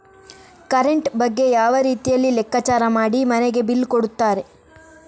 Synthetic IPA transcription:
kɐɾeɳʈbɐɡːe̞jaːʋɐɾiːt̪ijɐlːilɛkːɐt͡ʃaːɾɐmaːɽimɐneɡe̞bilːkoɽut̪ːaːɾe̞

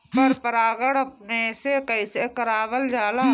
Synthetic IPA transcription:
məɾpəɾaːɡəɽɐp̚nesekəɪsekəɾaːʋəld͡ʒaːlaː

